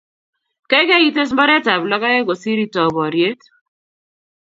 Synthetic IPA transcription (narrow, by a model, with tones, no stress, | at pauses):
ke˦ke˦i˦te˦s̬mbɔ˦ɾɛ˦ta˨blɔ˦ka˦je˦ɡo˨si˦ɾi˦tɔ˨bɔ˨ɾje˦t